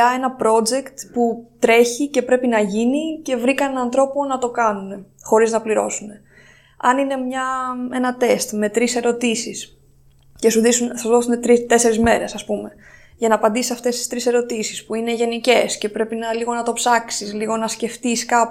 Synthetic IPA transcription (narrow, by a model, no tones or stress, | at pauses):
ɐe̞nɐpɾo̞d͡ze̞kt̪put̪ɾe̞çice̞pɾe̞pinɐʝinice̞vɾikɐenɐnθɾo̞ponɐt̪o̞kɐnune̞ | xo̞ɾiznɐpliɾo̞̰sune̞ | ɐ̰nine̞mɲɐe̞nɐt̪e̞st̪me̞t̪ɾise̞ɾo̞t̪isis | ce̞suðisunsɐzðo̞sunet̪ɾit̪e̞se̞ɾizme̞ɾe̞sɐspume̞ | ʝɐnɐːpɐnd̪isisɐft̪e̞st̪i̥st̪ɾise̞ɾo̞t̪isi̥spuine̞ʝe̞nice̞sce̞pɾe̞pinɐliɣo̞nɐt̪o̞psɐksisliɣo̞nɐsce̞ft̪iskɐp